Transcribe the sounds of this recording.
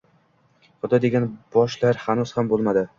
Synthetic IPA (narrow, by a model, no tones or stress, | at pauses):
χʊd̪ɒd̪e̞ɡʲanb̥ɒʃlaɾhanuz̥hambolˠmad̪ɪ